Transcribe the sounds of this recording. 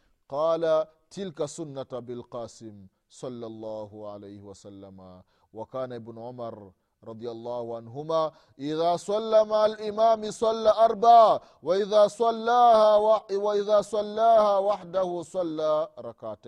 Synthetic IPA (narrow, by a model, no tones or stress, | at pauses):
qɑːlatɪlkasʊnːatabɪlqɑːsɪm | sˤɑlːɑlˤːɑːhʊʕa̰lajhɪwɐsalːama | wakaːnaʔɪbnʊʕʊmaɾˤ | ɾˤɑd̪ˤɪjalˤːɑːhʊʕanɦʊmaː | ʔɪðaːsˤɑlːamalʔɪmaːmɪsˤɑlːaːʔɑɾˤbaʕ | waʔɪðaːslːaːhawwaʔɪðaːsˤɑlːaːhaːwaħdahusˤɑlːaɾˤɑkaːta